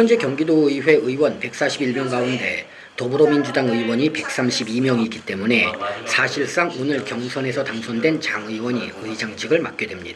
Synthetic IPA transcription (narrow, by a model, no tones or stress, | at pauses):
çjʌnd͡ʑe̞kjʌŋɡidoiwe̞ɯiwʌnpe̞k̚s͈aɕʰibiɭmjʌŋɡaunde̞ | tʌbɯɾomind͡ʑudaŋɯiwʌɲipe̞k̚s͈amɕʰibimjʌŋiɡit͈e̞mune̞sʰaɕʰiɭs͈aŋonɯɭkjʌŋsʰʌne̞sʰʌtaŋsʰʌndwe̞nt͡ɕaŋɯiwʌɲiɯid͡ʑaŋt͡ɕ͈ʰiɡɯɭmak̚k͈e̞dwemɲid̥a